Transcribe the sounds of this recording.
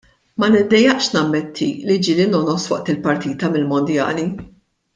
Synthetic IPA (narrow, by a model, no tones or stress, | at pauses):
mɐnɪd̪ːɛjːɐʔʃnɐmːɛt̪ʰːilid͡ʒilɪnɔnɔswɐ̰ʔt̪ɪlpɐɾt̪iːt̪ɐmɪlmɔnd̪jɐ̰ːli